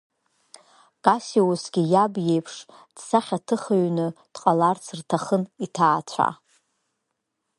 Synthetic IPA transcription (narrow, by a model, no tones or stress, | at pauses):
kʼasiwusɡʲijabje̞jpʰʂ | d̥saχʲatʰɨχaɥnɨd̥qʼalart͡sʰɨrtʰaχənitʰaːt͡ɕʷʰa̰